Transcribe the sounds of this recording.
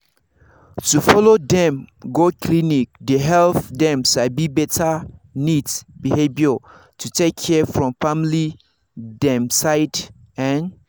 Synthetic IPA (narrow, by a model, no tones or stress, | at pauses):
tufɔlodɛ̃mɡokʰlinik̚deɦɛlfdɛ̃msabibɛtʰanidbihebiɔ | tʰutʰekʰːɛfɹɔ̃mfamli | dɛ̃msaɪd | ɛ̃n